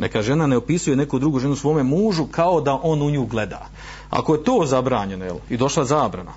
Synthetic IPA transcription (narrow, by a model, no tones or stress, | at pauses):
ne̞̰kaʒe̞nane̞o̞pisuje̞ne̞kud̪ɾuɡuːʒe̞nusʋo̞ːme̞muːʒukʰao̞d̪aʔo̞nuɲuːɡle̞d̪a̰ː | a̰koje̞t̪o̞ːzabɾaːɲe̞nojelid̪o̞ʃlˠazaːbɾa̰na̰